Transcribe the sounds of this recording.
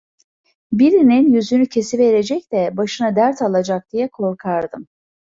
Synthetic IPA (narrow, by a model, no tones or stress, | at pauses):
biɾininjyzynycʰe̞sive̞ɾe̞d͡ʒɛc̚d̪ɛbaʃɯnad̪æɾt̪ʰalˠad͡ʒak̚d̪̥ijɛkʰo̞ɾkʰaɾd̪ɯm